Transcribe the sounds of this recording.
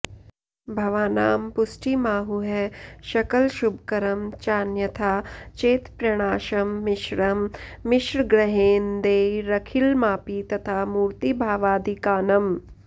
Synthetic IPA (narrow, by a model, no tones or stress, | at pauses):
bʱɐʋaːnaːmpʊsʈimaːɦuɦɛʃɐkɐlʃubʱkɐɾɐmt͡ʃaːnjɐt̪ʰaːt͡ʃeːt̪pɾɐɽ̃aːʃɐmːɪʃɾɐmːɪʃɾɡɾɐɦeːnd̪eːɾɐkʰilmaːpit̪ɐt̪ʰaːmuːɾt̪ibʱaːʋaːd̪ʱikaːnɐm